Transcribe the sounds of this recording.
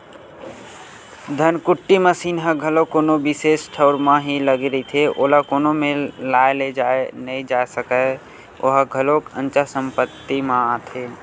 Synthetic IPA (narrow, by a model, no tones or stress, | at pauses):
d̪ʱənkʊʈːiməsiːnɦəɡʱəlokoːnobisesʈʰəʊɾmãɦiləɡɾəit̪ʰeʔoːlakoːnomẽlaeled͡ʒaenəĩd͡ʒaesəkə | ʔo̰ɦəɡʱəlokə̰̃nt͡ʃasə̃mpət̪ːimããt̪ʰe